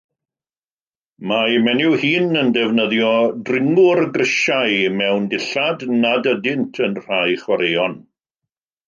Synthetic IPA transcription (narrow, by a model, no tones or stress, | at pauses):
mamɛnɪwhiːnəndɛvnəðjɔdrɪŋʊrɡrɪʃajmɛwndɪɬadnadədɪntʰənr̥ajχwaɾejɔn